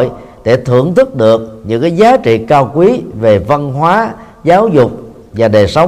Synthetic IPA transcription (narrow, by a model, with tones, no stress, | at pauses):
j | ɗe˧˩t̪ʰɨ˧˩əŋt̪ʰɨ˦˥k̚ɗɨ˨˩ək̚ɲɨ̰˧˥ŋkaː˨˦jzaː˨˦t͡ɕḭ˧˨kaː˧wkwi˨˦ve˨˩və˧nɦwaː˨˦ | zaː˨˦wzʊ˨˩k͡p̚ | vaː˨˩ɗe˨˩sə˨˦w